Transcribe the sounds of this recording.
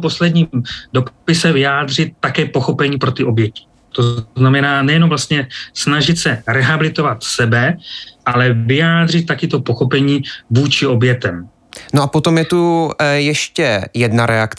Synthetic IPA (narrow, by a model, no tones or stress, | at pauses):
po̞slɛdɲiːmdo̞ppɪsɛvɪjaːd̪r̝ɪt̪̚ːakɛːpo̞xo̞pɛɲiːpɾo̞t̪ɪʔo̞bjɛcɪ̥ | t̪o̞namɛnaːnɛjɛnomvlast̪ɲɛsnaʒɪt̪sɛɾɛɦabɪlɪt̪o̞vat̪sɛbɛʔalɛvɪjaːd̪r̝ɪt̪̚ːakɪt̪o̞po̞xo̞pɛɲiːvuːt͡ʃɪo̞bjɛt̪ɛm | noʔapot̪omjɛt̪ujɛʃcɛjɛdnaɾɛak